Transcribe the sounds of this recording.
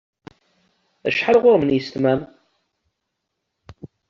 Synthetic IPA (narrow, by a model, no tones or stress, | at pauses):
ə̰ʃħalʁʊɾmənjəst̪mæm